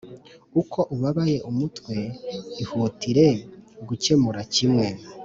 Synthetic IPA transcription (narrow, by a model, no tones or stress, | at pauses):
ukʰo̞ʔuβaβaje̞ʔumutwe̞ihutiɾe̞ɡuce̞muɾacimŋe̞